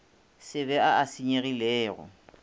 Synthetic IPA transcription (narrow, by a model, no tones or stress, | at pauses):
sɪβɛaasiɲeɣilɛːɣɔ̰